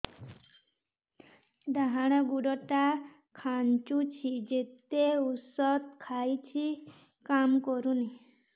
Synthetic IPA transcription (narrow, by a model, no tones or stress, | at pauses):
d̪aɦaɽ̃aɡuɽɔʈa | kʰant͡ʃut͡ɕʰid͡ʒet̪eusɔt̪̚kʰajt͡ɕʰi | kamkoɾuni